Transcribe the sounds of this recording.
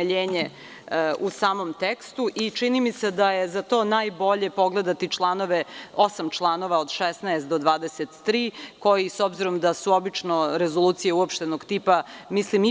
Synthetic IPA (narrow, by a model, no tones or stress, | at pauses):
ʎeːɲe | ʔusaːmo̞mt̪ekst̪uʔit͡ʃinimised̪aje̞zat̪o̞ːnajbo̞ʎe̞po̞ɡle̞d̪at̪it͡ʃlˠaːno̞ʋeo̞samt͡ʃlˠaːno̞ʋaod̪ʃesnaest̪d̪o̞d̪ʋaːd̪eset̪ːɾiːko̞jiso̞bziɾo̞md̪asuo̞bit͡ʃno̞ɾe̞zoluːt̪sijeuopʃt̪e̞noɡt̪ipamislimi